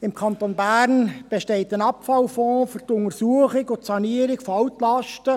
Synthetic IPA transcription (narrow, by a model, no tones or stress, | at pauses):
ɪmkʰɑnt̪onbæːɾnb̥eʃteːtənɑpfɑlfɔ̃ːfʏrtʊŋəsuəχɪkʊtsɑniəɾɪkfɑwtlɑʃtə